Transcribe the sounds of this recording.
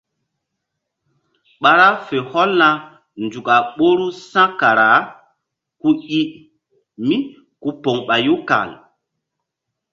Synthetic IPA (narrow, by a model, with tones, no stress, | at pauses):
ɓa˨ɾa˦fe˨hɔ˦lna˨ | nd͡ʒu˨ka˨ɓo˦ɾu˦sã˦ka˨ɾa˨˦ | ku˦i˦ | mi˦ | ku˦po˨ŋɓa˨ju˦ka̰˨l